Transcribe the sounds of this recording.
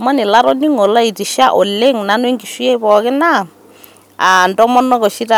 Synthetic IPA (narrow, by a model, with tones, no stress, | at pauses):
ma˦nɪ˨la˦ɾɔ˦ni˦ŋɔ˨la˦i˨ti˨ʃa˦ʔɔ˨le˦ŋna˦nwe˦ŋɡi˨ʃi˦e˦pɔ˨kɪ˦na˦ | a˨ndɔ˦mɔ˦nɔ˦kɔ˨ʃi˦ta˨